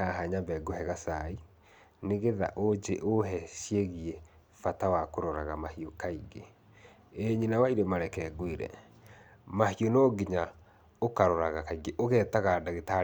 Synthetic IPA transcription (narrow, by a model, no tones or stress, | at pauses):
aɦaɲabɛɡohɛɣasai | neɣeða̰ʔod͡ʑeʔoɦɛɕieɣiɛ | fatawakoɾɔɾaɣamahiokaiɡe | eɲinawaiɾemaɾɛkɛːɡwiɾɛ̰ | mahionɔːɡiɲa | okaɾɔɾaɣakaiɡeʔoɣɛtaɣaːdaɣeta